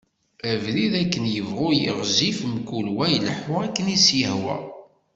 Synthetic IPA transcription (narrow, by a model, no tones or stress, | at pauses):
ævliðækːənjəvʁʊjəʁzifmkːulwæjləħoʁækːənisjəhwæ̰